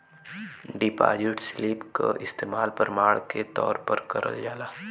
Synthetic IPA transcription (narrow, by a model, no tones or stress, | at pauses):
ɖɪpa̰ːd͡ʒɪʈsliːpka̰ʔɪst̪eːmaːlpəɾmaːɭket̪ɔːɾpɐɾkɐɾʔə̰ld͡ʒaːlaː